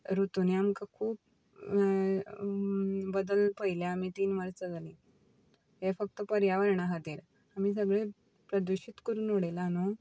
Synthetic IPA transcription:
ɾut̪uniamkakʰuːp̚ | bəd̪əlpəɦiljaamiːt̪iːnʋəɾt͡səd͡zalĩ | ɦefək̚t̪əpəɾjaʋəɾɳaɦad̪iɾ | amiːs̬əɡɭe | pɾəd̪uɕit̪kəɾuːnʋoɽalano

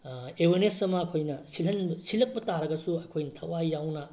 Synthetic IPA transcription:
ewenesɐmɐːkʰojnɐsilɦɐnbsilɐk̚pɐtaɾɐɡɐsuɐkʰojnɐtʰɐwajjawnɐ

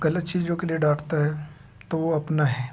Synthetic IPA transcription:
ɡɐlət̪t͡ʃiːzd͡ʒõkelieɖaːʈʰt̪aɦɛː | t̪oʋoɐpnaɦɛː

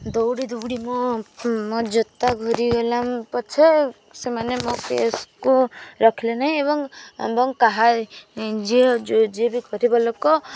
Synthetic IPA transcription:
d̪owɽid̪ubɽimɔmɔd͡ʒɔt̪ːaɡʱɔɾiɡɔlampɔt͡ʃʰe | semanemokḛskuɾɔkʰilenaɦĩebɔŋ̰bɔŋkaɦa | d͡ʒid͡ʒd͡ʒebiɡʱɔɾibɔlokɔ

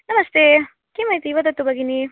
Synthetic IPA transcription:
nɐmɐst̪e | kimɐɦit̪iiʋɐd̪ɐt̪ːubɐɡini

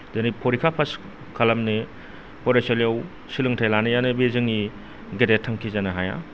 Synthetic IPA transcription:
denipʰɔɾikʰapʰas | kʰalɐmne | pɔɾeselijaw | silɯŋtʰajlanɯjanɯbezɯŋi | ɡedetʰːaŋkʰizanaɦaja̰

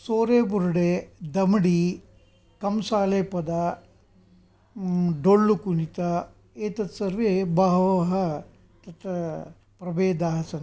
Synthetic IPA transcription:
soːɾeːbuɾɽed̪ɐmɐɽi | kɐmsaːleːpɐd̪ɐ | ɖoɭːukuɳit̪ɐ | eːt̪ɐt̪sɐɾʋebaːɦʋɐɦɐ | t̪ɐt̪ɐ | pɾɐbeːd̪aːɦɐsɐn

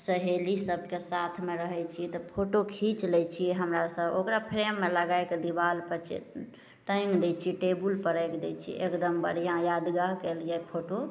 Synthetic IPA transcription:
səɦelisəb̚ʱkesat̪ʰmeɾəɦɛt͡ʃʰiɛt̪ɔpʰoʈokʰit͡ʃlɛt͡ʃʰiɛɦəmɾasəbokɾapʰɾemːeləɡajked̪ibalpət͡ʃḛ | ʈə̃jŋɡd̪ɛt͡ʃʰiʈebulpəɾəjkd̪ɛt͡ʃʰḭʔekd̪əmbə̰ɽ̤ijãjad̪ɡaɦkeljɛpʰoʈo

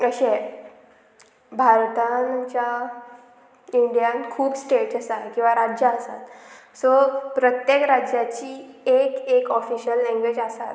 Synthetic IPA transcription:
əɕe | bʱaɾt̪anamt͡ɕja | iɳɖijankʰuːbsʈeʈəsakĩw̃ʋaɾad͡ʑjaəsa̰t̪ | sɔpɾət̪jekɾad͡ʑjat͡ɕiː | ekekɔfiɕəlːɛ̃ŋɡʋed͡ʑasat̪

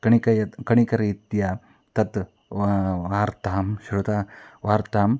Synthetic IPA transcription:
kɐɳikɐjɐkɐɳikɐɾiːt̪ja | t̪ɐt̪ | ʋaːɾt̪aːmʃɾut̪aːʋaːɾt̪aːm

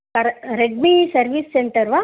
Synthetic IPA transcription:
ɐɾɾeɖ̚misɐɾʋisseɳʈɐɾʋa

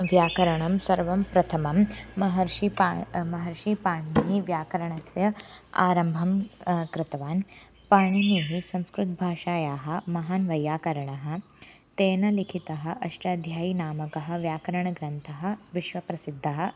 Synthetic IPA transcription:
ʋjaːkɐɾɐɳɐmsɐɾʋɐmpɾɐt̪ʰɐmɐmmɐɦɐɾʂipamɐɦɐɾʃipaːɳ̃iɦiʋjaːkɐɾɐɳɐsjɐa̰ːɾɐmbʱɐmkɾɪt̪ɐʋaːn | paːɳ̃iniɦisɐ̃mskɾut̪bʱaːʃaːjaːɦɐ̆mɐɦaːnʋɐjːaːkɐɾɐɳɐɦɐ̆ | t̪eːnɐlikʰit̪ɐɦɐ̆ʔɐʂʈaːd̪ʱjaːjinaːmɐkɐɦɐ̆ʋjaːkɐɾɐɳɐɡɾɐnt̪ʰɐɦɐ̆ʋiʃʋɐpɾɐsid̪ʱːɐɦɐ̆

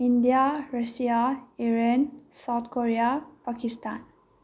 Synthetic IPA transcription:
indijarasijaiɹensawt̚ʰkoɹijapakistan

